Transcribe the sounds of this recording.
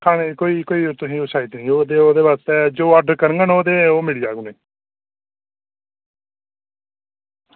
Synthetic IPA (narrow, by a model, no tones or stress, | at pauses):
kʰaːnekoːiːkoːiːt̪ʊsĩːosaːit̪nĩːoːd̪eːoːd̪eːbaːst̪ɛːd͡ʒoːəɖəɾkəɾəŋɡənoːd̪eːoːmiːɽijaːɡʊneː